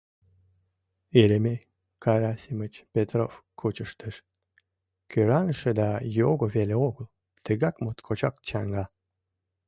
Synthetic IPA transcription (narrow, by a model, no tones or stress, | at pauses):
eleme | kɑɾasʲimət͡ɕpʲet̪ro̰fkʰut͡ɕəʃt̪əʃ | køɾɑnəʃed̪ɑjoɣoβeleoɣəl | t̪əɣɑkmot̪kʰot͡ɕɑk̚t͡ɕɑŋɡɑ